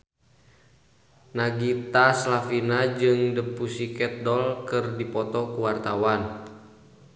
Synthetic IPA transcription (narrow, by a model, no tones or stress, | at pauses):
naɡit̪aslafinad͡ʒɨŋdəpusikɛt̪̚dɔlkɨrdipɔt̪ɔkuwart̪awan